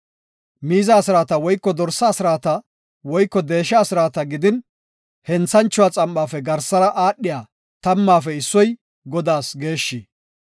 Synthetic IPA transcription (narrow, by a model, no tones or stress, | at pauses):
miːzɐːsɪɾaːt̪ɐwɔjkːɔd̪ɔɾsɐːsɪɾaːt̪ɐ | wɔjkːɔd̪e̞ːʃɐːsɪɾaːt̪ɐɡɪd̪ɪn | hɛnt͡sːɐnt͡ʃːʊwaːt͡sʼɐmɓaːfɛɡɐɾsɐɾɐʔaːɗːɪjaː | t̪ɐmːaːfɛɪsːɔj | ɡɔd̪aːsɡe̞ːʃːi